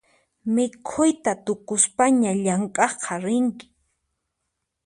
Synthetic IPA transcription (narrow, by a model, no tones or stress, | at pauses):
mɪkʰʊjt̪at̪ʊkʊspaɲaʎaŋkʼɑχqʰɑɾɪŋkɪ̥